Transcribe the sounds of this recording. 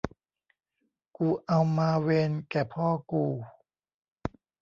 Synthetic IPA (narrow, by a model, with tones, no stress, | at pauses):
kuː˧ʔa˧wmaː˧we˧nkɛː˨˩pʰɔː˥˩˨kuː˧˩